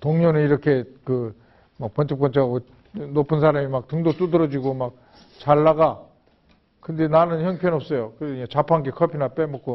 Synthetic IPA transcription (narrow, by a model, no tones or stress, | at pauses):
toŋɲonɯniɾʌkʰe̞kɯ | mak̚pʌnt͡ɕʰʌp̚k͈ʌnt͡ɕʰeɡao | nopʰɯnsʰaɾamimak̚tɯŋdot͈udɯɾʌd͡ʑiɡomak̚ | t͡ɕaɭːaɡa | kɯnde̞nanɯnçjʌŋpʰjʌnʌp̚s͈ʌjokɯet͡ɕapʰanɡekʰʌpʰinap͈emʌk͈o